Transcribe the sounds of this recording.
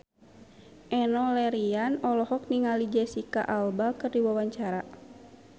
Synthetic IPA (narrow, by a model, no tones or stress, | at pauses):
ʔɛnɔlɛɾianɔlɔɦɔk̚niŋalid͡ʒɛsika̰ʔalbakɨrdiwawaɲt͡ʃaɾa